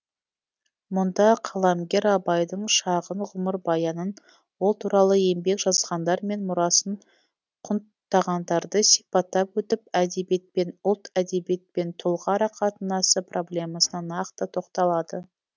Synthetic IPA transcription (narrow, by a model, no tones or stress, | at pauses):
mʊnd̪ɑqʰɑlˠɑmɡʲe̞ɾɑbɑjd̪əɴʃɑʁənʁʊməɾbɑjɑnən | wo̞lˠt̪ʰuɾɑlˠəe̞mbe̞kʒ̥ɑzʁɑnd̪ɑɾme̞nmʊɾɑsəɴ | qʰʊnt̪ːɑʁɑnd̪ɑɾd̪əsijpɑt̪ːɑpwɵt̪ɪpæd̪e̞bjet̪̚pe̞nʊlˠt̪æd̪e̞bet̪̚pe̞nt̪ʰʊlˠʁɑɾɑqʰɑt̪ənɑsəprʔo̞blʲe̞mɑsənɑnɑqt̪ət̪ʰo̞qt̪ɑlˠɑd̪ə